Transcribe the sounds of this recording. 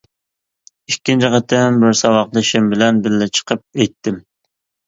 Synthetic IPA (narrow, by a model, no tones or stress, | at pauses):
ikʲːint͡ʃʰɪqɑt̪ʰːɛmbɪɾsɑwɑqlˠɨʃɪmbɪlɛnbɪllɪt͡ʃʰə̥qʰəp̚ɛjt̪ʰːɪm